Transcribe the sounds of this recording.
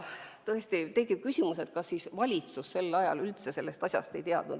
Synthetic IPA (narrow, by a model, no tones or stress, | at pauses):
t̪ɤest̪it̪e̞ɡib̥̚kysʲimuse̞t̪̚kɑsːisvɑlʲit̪susːe̞lːɑjɑ̰lylt̪se̞se̞lːe̞st̪ɑsʲjɑ̰st̪e̞jt̪eɑ̰d̪̥ṵ̥